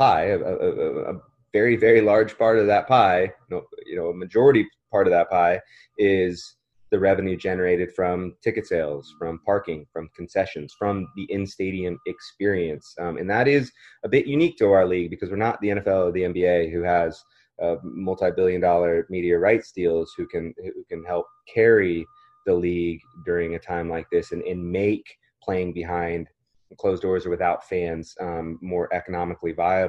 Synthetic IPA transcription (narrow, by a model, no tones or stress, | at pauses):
pʰaɪɨɨə̰ə̰ | vɛɹivɛɹilɑɹd̥ʒ̥pʰɑɹɾʌvðət̚pʰaɪnoʊjɨ̰noʊəmɨd͡ʒɔɹɨɾipʰɑɹɾʌvðət̚pʰaɪ | ɪz | ðɨɹɛvɨ̃njʉd͡ʒɛnə˞eɪɾɨd̥fɹʌ̃mtʰɪkɨtseɪlˠz̥fɹʌ̃mpʰɑɹkɪ̃ŋfɹʌ̃mkʰn̩sɛʃɨ̃nz̥fɹʌ̃mðiʔɪ̃nsteɪɾiɨ̃mɨkspɪɹiɨ̃nsʔɨ̰̃nðəɾɪzəbɪʔjʔʉnik̚tʰəaʊə˞liɡ̚bɨkʰʌzwɨɹnət̪̚ðiɛ̃ñɛfɛlˠʌvðiɛ̃mbieɪɦʉəz̥ | mʌlˠtaɪbɪlˠjɨ̃ndɔlˠə˞miɾiɨɹaɪtstilˠz̥hʉkɨ̃nʉkɨ̃nɦɛlˠp̚kʰɛɹi | ðəliɡdʊɹɪ̃ŋɨtʰãɪ̃mlaɪk̚ðɪsɨ̃nɨ̃nmeɪk | pʰl̥eɪɪ̃ŋbɨɦãɪ̃nd̥ | kʰl̥oʊzdɔɹzə˞wɨθaʊtfæ̃nz̥mɔɹʔɛkənɑmɨklivaɪ